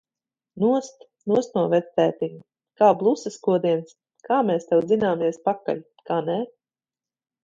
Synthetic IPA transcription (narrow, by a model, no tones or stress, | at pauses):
nuɔst̪ | nuɔst̪nuɔvɛt̪æːt̪iŋ | kaːblˠusɐskuɔd̪iɛns | kaːmɛːst̪ɛw̪zinaːmiɛspaka̰lʲ | kaːnɛ